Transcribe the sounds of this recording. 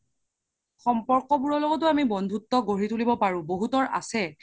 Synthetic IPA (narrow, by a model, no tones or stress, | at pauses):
xɔmpɔɹkɔbuɹɔlɔɡɔtʊamibɔndʱutːɔɡoɹitulibɔpaɹʊ̃boɦutɔɹʔa̰sɛ